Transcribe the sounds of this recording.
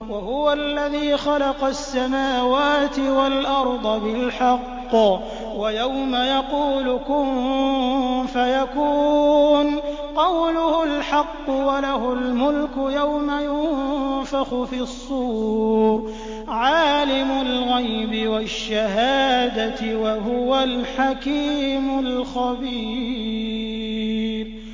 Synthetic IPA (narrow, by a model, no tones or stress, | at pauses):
wahʊwaʔlːaðiːxɑlɑqɑsːamaːwaːt̪ɪwalʔɑɾˤd̪ˤɑbɪlħɑqː | wajawmajɑquːlʊkʊm | fajakuːn | qɑwlʊhʊlħɑqːʊwalaɦʊlmʊlkʊjawmajʊnfɑxʊfisˤːuːɾ | ʕaːlɪmʊlɣajbɪwaʃːahaːd̪at̪ɪwaɦʊwalħakiːmʊlxabiː | b